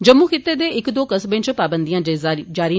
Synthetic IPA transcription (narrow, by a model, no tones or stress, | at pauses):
d͡ʒəmːuːkʰɪt̪ːeːd̪eːɪkd̪oːkəsbẽːt͡ʃpaːbənd̪ijãːd͡ʒaːɾi